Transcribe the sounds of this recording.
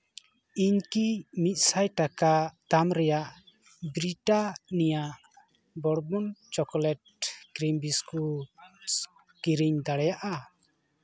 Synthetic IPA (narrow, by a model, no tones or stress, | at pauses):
iɲkimit̪̚ˀsajʈakat̪amɾɛjaʔ | bɾiʈanijaʔ | bɔɽbɔnt͡ʃɔkɔlɛʈ̚kɾimbisku | kiɾiɲd̪aɽɛjaʔa